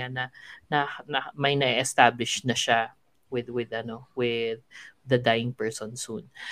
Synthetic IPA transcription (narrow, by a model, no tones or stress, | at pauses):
anɐnɐnɐmɐjnɐʔiʔɛst̪ablɪʃnɐʃa | wɪðwɪd̪ɐno̞wɪð̚ːɐd̪ajɪŋpɛɹsonsun